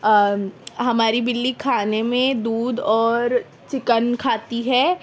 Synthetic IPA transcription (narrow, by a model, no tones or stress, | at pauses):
ɦɐmaːɾibɪlːikʰaːnemẽd̪uːd̪ɔːɾ | t͡ʃɪkənkʰaːt̪iɦɛː